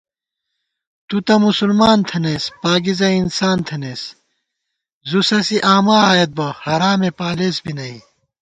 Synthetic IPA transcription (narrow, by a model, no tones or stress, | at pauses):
t̪ut̪ɐmusulmaːnt̪ʰeneːspaːɡizɐinsaːnt̪ʰeneːs | zusɐsiʔaːmaaːjet̪̚bɐhɐɾaːmepaːleːsbinɐi